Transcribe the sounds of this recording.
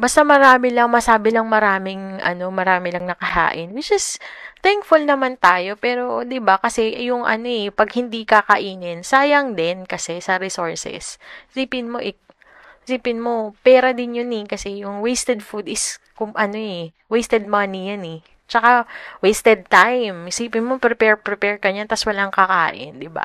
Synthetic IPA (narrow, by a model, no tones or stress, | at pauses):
bɐst̪ɐmɐɾaːmɪlɐŋmɐsaːbɪlɐŋmɐɾaːmɪŋʔɐ̰no̞mɐɾaːmɪlɐŋnɐkɐha̰ːʔɪnwɪt͡ʃɪst̪ɛŋkfʊlnɐmant̪aːjo̞pɛːɾo̞d̪ɪbakɐsɛjʊŋʔɐ̰no̞ɛpɐɡ̚hɪnd̪ikakɐʔiːnɪnsaːjɐŋd̪ɛnkɐsɛsɐɾɪsoɹsɛ̰ssiːpɪnmo̞ʔɛ | siːpɪnmo̞pɛːɾɐd̪ɪnjʊnɛkɐsɛjʊŋwejst̪ɛd̪fud̪ɪskʊŋʔɐno̞ɛ | wejst̪ɛd̪̚mɐnijanɛ | t͡ʃɐkawejst̪ɛd̪̚t̪ajmsiːpɪnmopɾɛpɛɹpɾɛpɛɹkɐɲant̪ɐswɐlaŋkɐka̰ːʔɪ̰nd̪ɪba̰